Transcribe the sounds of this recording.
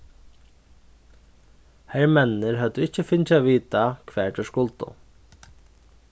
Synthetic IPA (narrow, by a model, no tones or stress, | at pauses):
hɛɾmɛnnɪɾɦœt̪ʊɪht͡ɕːəfɪnt͡ɕaviːt̪akʰʋɛːɹʈ̪ɛʂkʊlt̪ʊ̰